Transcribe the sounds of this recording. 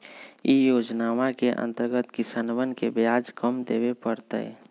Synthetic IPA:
ijoːd͡ʒnaːʋakeʔə̰̃nt̪əɾɡət̪kɪsanʋənkebjaːd͡ʒkəmd̪eːwepəɾt̪ə̰ɛ̰

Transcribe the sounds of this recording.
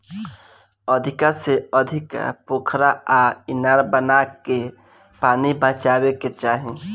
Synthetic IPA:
əd̪ʱɪkaseəd̪ʱɪkpokʰɾaaɪnaɾbənake | paːnibə̃t͡ʃaweket͡ʃaːɦĩ

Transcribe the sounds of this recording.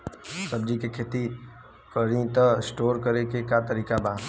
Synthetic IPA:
səbd͡ʒikekʰeːt̪i | kəɾĩt̪əsʈoːɾkəɾekekat̪əɾiːkabaː

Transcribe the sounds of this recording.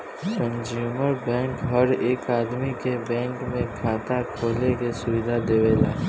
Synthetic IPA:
kə̃nd͡ʒuːməɾbɛ̃ːŋkɦəɾeːkaːd̪mikebɛ̃ːŋkmẽkʰaːt̪akʰoːlekesʊʋɪd̪ʱad̪eʋeːla̰ː

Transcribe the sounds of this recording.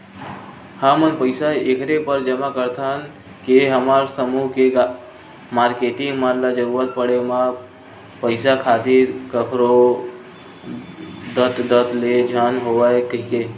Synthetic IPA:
həmənpəɪsaekɾepəɾd͡ʒəmakəɾt̪ʰən | keɦəmaɾsəmuɦke | maɾkeʈiŋɡməlad͡ʒəɾuɾət̪̚pəɽema | pəɪsakʰat̪iɾkəkɾo | d̪ət̪d̪ət̪led͡ʒʱanɦoʋaekəike

